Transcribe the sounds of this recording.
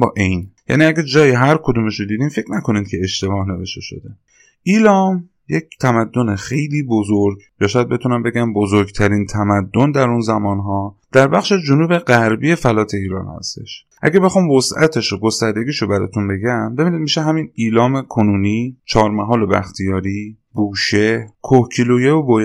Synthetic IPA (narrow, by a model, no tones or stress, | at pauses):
bɒ̰ːʔejnjæ̰niːæɡæd͡ʒɒːjiɦæɾkʰod̪uːmeʃod̪iːd̪iːmfe̞kʰɾnækʰo̞niːd̪kʲʰe̞eʃt̪e̞bɒːhne̞veʃt̪e̞ʃo̞̰d̪e | ʔiːlɒːm | ject̪ʰæmæd̪ːo̞nexejliːbozoɾɡjɒːʃɔːjæd̪̚be̞t̪ʰunæmbe̞ɡæmbozoɾɡt̪ʰæɾiːnt̪ʰæmæd̪ːond̪æɾunzæmɒːnɦɒːd̪̥æɾbæχʃed͡ʒonuːbeɢæɾbije̞fælɒːt̪ʰe̞iːɾɒ̰ːnhæ̰st̪e̞̰ʃ | ʔæ̰ɡæbe̞xɒmvosʔæ̰t̪ʰeʃoɡo̞st̪æɾd̪e̞ɡʲiːʃobæɾɒ̰ːt̪ʰunbe̞ɡæmbe̞binid̪̚miʃeɦæminiːlɒːmekʰonuːniːt͡ʃʰɒːɾmæɦɒːlebæ̰xt̪ʰijɒːɾiː | buːʃekʰohcʰilojeobo